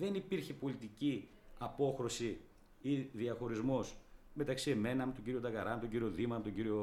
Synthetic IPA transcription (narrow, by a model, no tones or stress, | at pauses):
ðe̞nipiɾçe̞po̞lit̪ici | ɐpo̞xɾo̞si | iðiɐxo̞ɾizmo̞sme̞t̪ɐksie̞me̞nɐmet̪oɟiɾio̞t̪ɐɣɐɾɐmet̪oɟiɾio̞ðimɐɐmet̪oɲɟiɾio